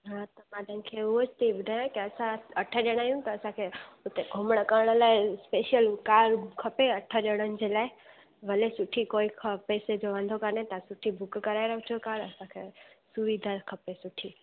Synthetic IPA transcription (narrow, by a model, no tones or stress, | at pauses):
ɦãt̪ɐmãd̪ənkʰeʊɦot͡ʃt̪ʰiɓʊd̪ʱaːjãkiɐsãɐʈʰəɗeɽ̃aːijũt̪ɐːsãkʰeʊt̪eɡʱʊmɽ̃əkəɾɽ̃əlaːespeːʃijəlkaːɾkʰɐpeɐʈʰəɗeɽ̃ənɪ̆d͡ʑelaːe | ʋɐlesʊʈʰːikoːikʰpɛːsed͡ʑoʋãnd̪ʱokəɾnẽt̪ɐsʊʈʰibʊkkɐɾaːeɾəɦʊ̃t͡ʃʰokaːɾəsãkʰesʊʋid̪ʱakʰɐpesʊʈʰiː